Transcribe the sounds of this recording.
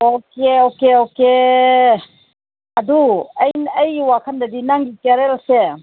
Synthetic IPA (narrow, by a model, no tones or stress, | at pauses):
okeokeoke | ɐduɐjnɐjwakʰandɐdinaŋɡikaɾeɾase